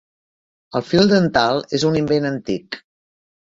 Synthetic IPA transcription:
əlˠfilˠd̪ənt̪alˠezunimbenənt̪ik

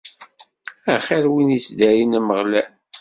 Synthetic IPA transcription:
æχæɾwinisd̪æɾinæməʁlæ

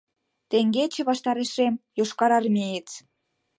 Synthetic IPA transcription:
t̪eŋɡet͡ɕĕβɑʃt̪ɑɾeʃemjoʃkɑɾɑrmʲejet͡s

